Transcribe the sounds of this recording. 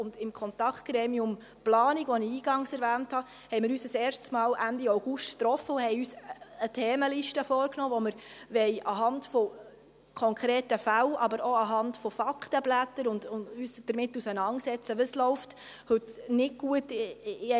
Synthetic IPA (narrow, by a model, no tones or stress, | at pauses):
ʊndɪmkʰɔnt̪ɑktɡ̥ɾɛːmiʊm | plɑːniɡʋɔniiːɡ̥ɑŋsɛɾvæːnthɑ | hɛɪmɪɾyːsəsɛːrʃtsmɑːlʔændiaʊɡ̥uʃttɾɔfəʊhɛɪyːsətʰɛːməliʃtəfɔːɾknɔːʋɔməɾʋɛɪʔɑɦɑntfɔ | kʰɔŋkʰɾeːtəfælʔɑbəɾɔɑɦɑntfɔfɑktəblætəɾʊndʊyːsd̥əɾmɪtːusənɑnsɛt͡səʋəslɔʊft | hɵtnɪɡ̚ɡ̥uət